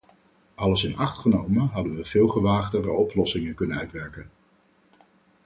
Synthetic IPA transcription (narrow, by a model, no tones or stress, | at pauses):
ʔɑləsɪnɑχtχənowmənɦɑdənʋəv̥ɪːlˠχəʋaːχdərəɔplɔsɪŋənkɵnənœɥtʋɛɹkən